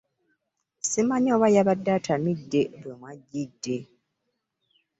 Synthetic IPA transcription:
simaɲoːβajaβadːaːtʰamidːe̞βemwaɟːidːe̞

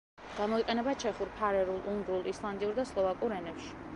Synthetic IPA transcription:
ɡ̥amɔiqʼɛnɛbat͡ʃʰɛχuɾpʰaɾɛɾulˠund̪ɾulˠislˠand̪iuɾd̪aslˠɔvakʼuɾɛnɛpʃi̥

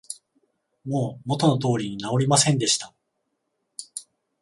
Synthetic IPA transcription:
mo̞ːmo̞t̪o̞no̞t̪o̞ːɾʲiɲ̟inao̞ɾʲimasẽ̞nd̪e̞ɕi̥t̪a

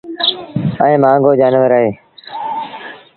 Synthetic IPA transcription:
əẽːmãːŋɡoːd͡ʒaːnʋəɾəɦeː

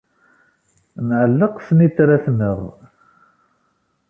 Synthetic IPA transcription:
nʕəlːəqsnit̪ːɾaθnəʁ

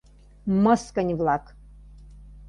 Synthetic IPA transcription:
məskənʲvlˠak

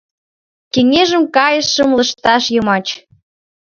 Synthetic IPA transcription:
keŋeʒəmkɑjəʃːə̆mlə̆ʃt̪ɑʃjɤmɑt͡ɕ

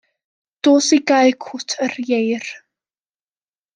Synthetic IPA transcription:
d̥oːsiɡaɨkʰʊtʰərjejr

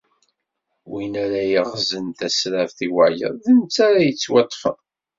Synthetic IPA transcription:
winæɾæjəʁzənt̪æsɾævθiwaʕjə̰ððənt͡sːaɾæjət͡sːwɑt̪ˤːfə̰n

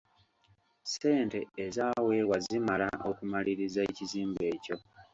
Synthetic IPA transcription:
se̞ːnte̞ːzaːwe̞ːwazimala̰ʔo̞kumaliɾizaeciziːmbe̞ːco̞

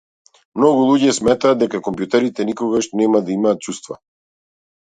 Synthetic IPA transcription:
mnɔɡulˠuɟɛsmɛt̪aːd̪̚d̪ɛkakɔmpjut̪ɛɾit̪ɛnikɔɡaʃnɛmad̪aimaːt̪̚t͡ʃust̪va̰

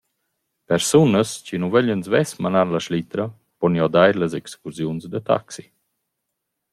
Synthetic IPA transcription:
pɛɾsunəst͡ɕinuvɛʎənzvɛsmanaɾlaʃlit̪ɾə | pɔnjɔd̪ajɾləzɛkskuɾzjunzd̪ət̪a̰ksi

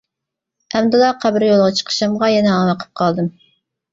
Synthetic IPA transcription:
æmd̪ɨlˠɑqʰæbɪɾjolˠʁɑt͡ʃʰə̥qʰə̥ʃɑmʁɑjɛnɛɑmɑqʰə̥p̚qʰɑlˠd̪ɨm

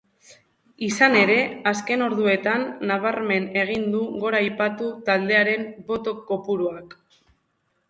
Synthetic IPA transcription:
isane̞ɾe̞aske̞no̞ɾðue̞t̪anːaβ̞aɾme̞ne̞ɣ̞ind̪uɣo̞ɾaːjpat̪ut̪ald̪e̞aɾe̞mbo̞t̪o̞ko̞puɾuak

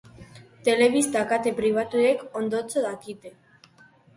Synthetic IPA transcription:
t̪eleβist̪akat̪epɾiβ̞at̪uekond̪ot͡soðakit̪e

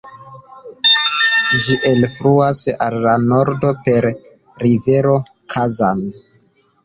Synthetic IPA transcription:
d͡ʒiʔe̞lfɾuasa̰lːano̞ɾdo̞pe̞ɾː | ive̞ɾo̞ | kʰazan

